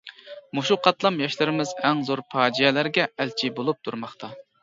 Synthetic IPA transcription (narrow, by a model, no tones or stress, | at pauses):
muʃuqʰɑt̪lˠɑmjɑʃlˠɨɾɪmɪzɛŋzoɾpʰɑːd͡ʒijɛlæɾɡʲɛʔælt͡ʃʰibolˠup̚t̪ʰuɾmɑχt̪ʰɑ